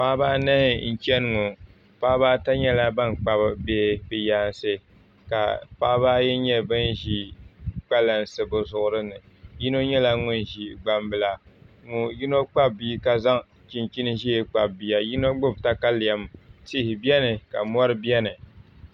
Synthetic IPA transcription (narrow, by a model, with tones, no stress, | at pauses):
paː˦baː˦na˦˨n̩˨t͡ʃɛ˦n˦ŋu˨ | paː˦baː˦ta˦ɲɛ˦la˦ba˦nk͡pa˦bbeː˦pɪ˨ja˨nsɨ˦ | ka̰˨paː˦baː˦jɛ˦ɲɛ˦bɨ˦nʒi˦k͡pa˦la˨n˨sɨ˨bʊ˨zʊ˨ʔʊ˦ɾɨ˦nɨ˨ | ji˦no˦ɲɛ˦la˦ŋʊ˦n˨ʒi˨ɡ͡ba˨mbɨ˨la˨ŋʊ˨ji˦no˦k͡pa˦b̚ːi˦ka˦za˦ŋ | t͡ʃi˨nt͡ʃi˦nɨ˦ʒi˦e˨k͡pa˨bbi˨ja˦ji˦no˦ɡ͡bʊ˦bta˦ka˦li˨a˨mti˦hɪ˨bi˦ɛ˦nɨ˨ka̰˨mɔ˦ɾɨ˦bjɛ˦nɨ˨